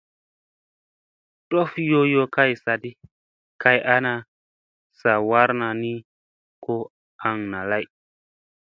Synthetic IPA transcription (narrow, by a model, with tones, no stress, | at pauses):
ɗo˦fjo˦jo˦ka˦jsa˨di˦ | ka˨jʔa˦na˨ | sa˨wa˦ɾna˨ni˦ | ko˦ | a˨ŋna˨la˦j